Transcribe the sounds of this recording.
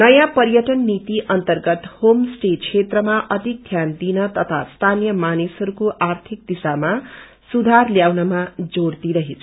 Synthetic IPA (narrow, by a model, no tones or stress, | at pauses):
nʌjãpʌɾjʌʈʌnːit̪iʔʌnt̪ʌrɡʌt̪homsʈet͡sʰet̪rʌmaʔʌt̪ik̚t̪ʰjand̪inʌt̪ʌt̪ʰa̰st̪ʰanijʌmanisɦʌɾukoʔart̪ʰik̚d̪isama | sud̪ʱarljawnʌmad͡zoɽt̪iɾʌɦet͡sʰ